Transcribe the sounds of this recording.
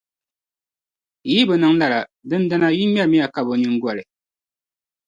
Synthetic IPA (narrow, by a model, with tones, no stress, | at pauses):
ji˦bɨ˨nɨ˨ŋla˦˨la˨dɨ˦n˦da˦na˦ji˦mɛ˦ɾmi˦a˨ka˨bo˨ɲɨ˦ŋ˦ɡa˨lɨ˨